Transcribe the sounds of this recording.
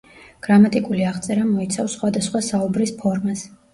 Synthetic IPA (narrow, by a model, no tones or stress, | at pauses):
ɡ̥ɾamat̪ʼikʼuliaʁt̪sʼɛɾamɔit̪sʰafsːχwad̪asχwasaubɾispʰɔɾmas